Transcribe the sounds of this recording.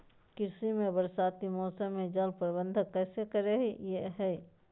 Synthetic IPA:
kɪɾsimẽbəɾsaːt̪imɔːsəmːẽd͡ʒəlpɾbə̃nd̪ʱəkːɛːsekəɾeɦijeɦɛː

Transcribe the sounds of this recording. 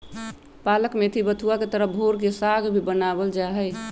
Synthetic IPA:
paləkmet̪ʰibət̪ʰuaket̪əɾəɦbʱoɾk̬esaɡbʱibənabəld͡ʒaɦɛj

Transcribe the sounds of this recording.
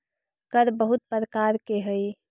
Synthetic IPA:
kəɾbəɦut̪̚pəɾkaɾkeɦəj

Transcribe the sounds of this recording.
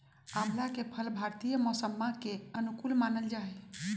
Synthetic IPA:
amlakepʰəlbʱaɾt̪ijəmɔsəmːakeənukulmanəld͡ʒaɦɛ

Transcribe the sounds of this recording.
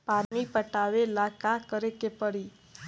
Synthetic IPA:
paɾmipəʈaʋelakakəɾekepəɽi

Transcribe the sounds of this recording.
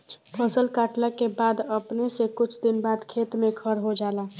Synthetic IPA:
pʰəsəlkaːʈlakebaːd̪əpnesekʊt͡ʃʰd̪ɪnbaːd̪kʰeːt̪mẽkʰəɾɦod͡ʒaːlaː

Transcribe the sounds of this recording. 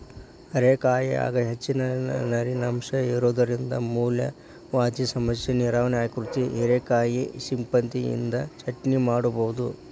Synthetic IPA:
ɐɾekaːjia̰ːɡɐɦet͡ʃːinɐnɐɾinɐmʂɐiɾoːd̪ɐɾind̪ɐ̰muːljɐ̰ | ʋaːd̪isɐmɐsjɐniɾaːʋɐneaːjkɾut̪iɦiɾekaːjisimpɐnt̪ijḭnd̪ɐt͡ʃʰɐʈnimaːɽuboʋud̪u

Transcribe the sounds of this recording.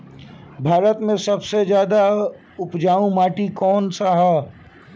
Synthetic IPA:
bʱaːɾət̪mẽsɐbsezjaːd̪a | ʊpd͡ʒaːũmaːʈikɔːnsaɦɛ

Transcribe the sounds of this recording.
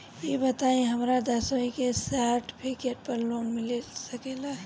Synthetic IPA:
jebət̪aẽɦəmɾad̪əsoikesaɾʈpʰikeʈ̚pəɾloːnmɪlesəkela

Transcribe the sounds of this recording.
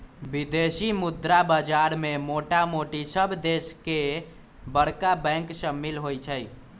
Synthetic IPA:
bid̪esimud̪ɾabad͡ʒaɾmemoʈamoʈisəbʱd̪eske | bəɽkabɛ̃ŋksəmːilɦojt͡ʃʰəj

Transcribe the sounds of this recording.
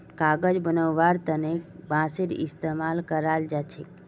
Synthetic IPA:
kaɡəd͡ʒbənəwːaɾt̪ənekbãsiɾḭst̪emalkəɾald͡ʒat͡ʃʰek

